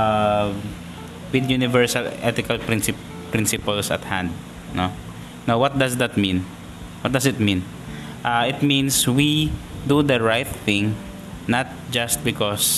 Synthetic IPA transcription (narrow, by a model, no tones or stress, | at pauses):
a | wɪd̪junɪvɛɹsalʔɛt̪ɪkɐlpɾɪnsɪ | pɾɪ̃nsɪpɐlsɐ̰t̪hã̰nd̪̚ | no | nawwɔt̪̚d̪ɐsd̪at̪̚mĩn | wɔt̪̚d̪ɐsɪt̪̚mĩn | ʔaɪt̪̚mĩnswid̪ud̪ɐɹajt̪θɪ̃ŋ | nat̪̚d͡ʒast̪̚bɪkɔs